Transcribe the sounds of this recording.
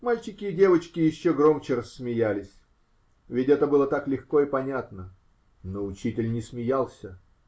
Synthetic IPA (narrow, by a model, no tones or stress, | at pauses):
malʲt͡ɕɪkʲɪːdʲe̞vət͡ɕkʲɪjɪɕːoɡro̞mt͡ɕɪrəsːmʲɪjælʲɪsʲ | vʲɪtʲɛt̪əbɨlˠət̪aklʲɪxko̞ipɐnʲat̪nə | noʊt͡ɕitʲɪlʲnʲɪsmʲɪjalˠsʲə